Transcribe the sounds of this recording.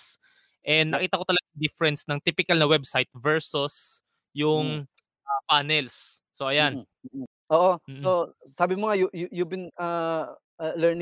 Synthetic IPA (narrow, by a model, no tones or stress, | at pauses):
s | ʔɛnnɐkiːt̪ɐkot̪ɐlɐɡaŋd̪ifɛɾɛnsnɐŋt̪ipɪkɐlnɐwɛb̚sajt̪̚vɛɹsʊs | jʊŋ | ʔapaːnɛlsː | oʔɐjanː | ʔoːʔom̩ːosaːbɪmoŋajujujubɪna | lɛɹnɪ